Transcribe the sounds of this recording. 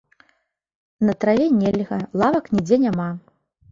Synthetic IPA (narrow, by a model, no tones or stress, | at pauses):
nɐt̪ɾavʲɛnʲɛlʲɣɐlˠavɐknʲid͡zʲɛnʲama